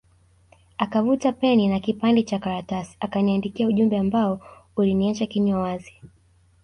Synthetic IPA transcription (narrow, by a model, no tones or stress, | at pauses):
akavutapɛninakipandɛt͡ʃakaɾatasi̥akaniandikiauʄumbɛambaɔuliniat͡ʃakiɲɔwazi